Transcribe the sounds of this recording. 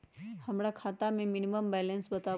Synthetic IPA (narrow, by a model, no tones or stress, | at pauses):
həmɽakʰat̪ameminiməmbɛlensbət̪a